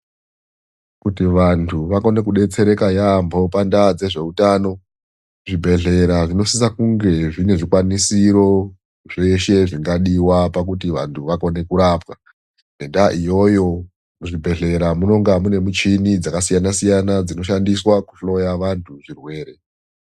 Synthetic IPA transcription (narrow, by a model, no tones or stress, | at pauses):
kutiʋantʰuʋako̞ne̞kuɗe̞t͡se̞ɾe̞kajambo̞pandad͡ze̞ʐe̞utaːno̞ | ʐibʱe̞ɮe̞ɾaʐino̞sis̬akuŋɡe̞ʐine̞ʐikwanisiɾo̞ | ʐeʃe̞ʐiŋɡaɗiwapak̬utiʋa̰ntʰuʋako̞ne̞kuɾapwa | ne̞ndaʔijo̞jo̞ | uʐibʱe̞ɮe̞ɾamuno̞ŋɡamune̞mut͡ʃinid͡zakasijanasijanad͡zino̞ʃandiswaku̥ɬo̞jaʋantʰuʐirwe̞ːɾe̞